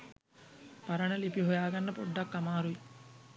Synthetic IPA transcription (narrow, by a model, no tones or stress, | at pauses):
pɐɾɐɳɐlipiɦojaːɡɐnːɐpoɖːɐkːɐmaːɾui